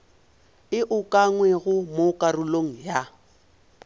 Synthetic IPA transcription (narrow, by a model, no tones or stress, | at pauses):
ɪʔʊkʼaŋwɛɣʊmokʼarʊloŋ̩ja